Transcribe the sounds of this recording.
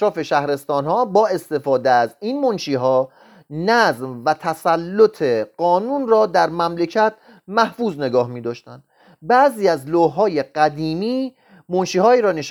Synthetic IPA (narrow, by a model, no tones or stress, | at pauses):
ʃɾɒːfe̞ʃæhɾe̞st̪ɒːnhɒːbɒːe̞st̪e̞fɒːd̪eæziːnmonʃiːɦɒː | næzmvæt̪ʰæsælːot̪ʰe̞ɢ̥ɒːnuːnrɒːd̪æɾmæmlecʰæt̪̚ʰ | mæhfuːzne̞ɡɒːhmiːd̪ɒːʃt̪ænd̪̥ | bæʔziːæzloːɦɒːje̞ɢ̥æd̪iːmiː | monʃiːɦɒːiːɾɒːneʃ